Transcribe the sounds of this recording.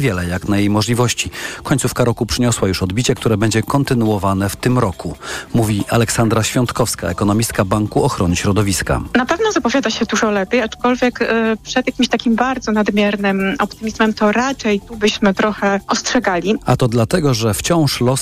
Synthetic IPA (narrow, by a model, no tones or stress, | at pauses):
vʲjɛlɛjaknajejmɔʐlʲivɔɕt͡ɕikɔɲʲtsufkaɾɔkupʂɘɲɔswajuʂɔd̪bʲit͡ɕɛkt̪uɾɛbɛɲd͡ʑɛkɔnt̪ɘnuɔvanɛft̪ɘmɾɔkumuvʲia̰lɛksand̪ɾaɕfʲjɔnt̪kɔfska̰ɛkɔnɔmʲist̪kabaŋkuɔxɾɔnɘɕɾɔd̪ɔvʲiska̰napɛvnɔzapɔvʲjad̪aɕɛd̪uʐɔlɛpʲjejat͡ʂkɔlvʲjɛkpʂɛd̪jakʲimɕt̪akʲimbaɾd̪zɔnad̪mʲjɛɾnɘmʔɔpt̪ɘmʲizmɛmt̪ɔɾat͡ʂɛjt̪ubɘɕmɘt̪ɾɔxɛɔstʂɛɡalʲiat̪ɔd̪lat̪ɛɡɔʐɛft͡ɕɔ̃w̃ʂlɔs